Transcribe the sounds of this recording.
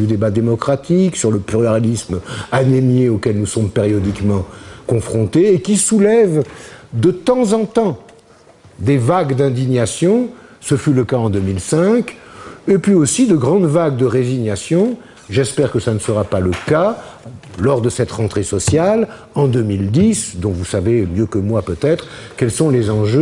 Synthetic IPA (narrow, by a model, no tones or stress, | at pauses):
d̪yd̪ebad̪emɔkχat̪iksyʁləpyʁjaʁlismanenjeokʲɛlnusɔmpeʁjɔd̪ikmɑ̃kɔ̃fχɔ̃t̪eːkʲisulɛvd̪ət̪ɑ̃zɑ̃t̪ɑ̃ | d̪evaɡd̪ɛ̃d̪iɲasjɔ̃səfyləkaɑ̃d̪əmilsɛ̃kepɥiosid̪əɡʁɑ̃d̪vaɡ̚d̪əʁeziɲjasjɔ̃ | ʒɛspɛʁkəsanəsəʁapaləka | lɔʁd̪əsɛt̪ʁɑ̃t̪χesɔsjal | ɑ̃d̪ømild̪isd̪ɔ̃vusavemjøkəmwapøt̪ɛt̪χkɛlsɔ̃lezɑ̃ʒø